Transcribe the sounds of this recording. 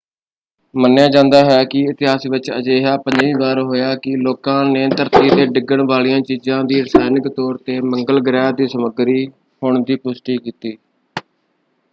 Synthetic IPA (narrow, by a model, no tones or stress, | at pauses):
mənːjãːd͡ʒãːnd̪aːɦɛːkɪɪt̪ɪɦaːsiːʋɪt͡ʃə̰d͡ʒeːɦaːpə̃ɲd͡ʒʋĩːʋaːɾɦoːjaːkɪloːkãːneːt̪əɾt̪iːd̪eːɖɪɡəɳʋaːlijãːt͡ʃiːzãːd̪iːɾsaːnɪkt̪ɔːɾt̪eːməŋɡəlɡɾɛːd̪iːsəməɡɾiː | hʊɳd̪iːpʊsʈiːkiːt̪iː